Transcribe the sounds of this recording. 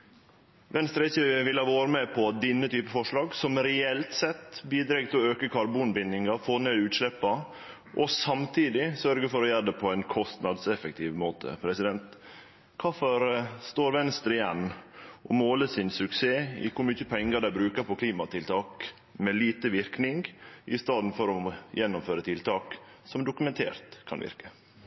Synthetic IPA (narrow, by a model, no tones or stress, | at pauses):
ʋɛnst̪ɾɛɪsiːʋɪlhɑːʋɑːɾəmɛpʰɔɑt̪̚d̪ɪnːət̪ʰyːpəfɔʂɭɑːɡsɔmɾɛɛlt̪sɛt̪ːbiːd̪ɾɛɡt̪ʰɪlɔøːkəkʰɑɾbuːnbɪnːɪŋɑɾfoːɾneːd̪ʉːt̪ʂlɛpːɑ | ʔɔsɑmt̪ʰiːd̪ɪsœɾɡəfɔɾɔjæːd̪əpʰɔæɪnkʰɔst̪nɑd̪sɛfək̚t̪ʰiːʋmoːt̪ʰə̰pʰɾɛsɪd̪ɛnt̪ | kʰɑːfɔɾst̪oːɾʋɛnst̪ɾəɪjɛnːʔɔmoːləsɪnsʉkseːɪ̰kʰʊɾmyçəpʰɛŋːəɾd̪æɪbɾʉːkəɾpʰɔkʰliːmɑt̪ʰɪlt̪ʰɑːk | mɛliːt̪əʋɪɾknɪŋɡʔɪst̪ɑːd̪n̩fɔɾɔjɛnːʊmføːɾət̪ʰɪlt̪ʰɑːksɔmd̪ʊkʉmɛnt̪ʰḛːɾt̪kʰɑ̰nʋɪ̰ɾkə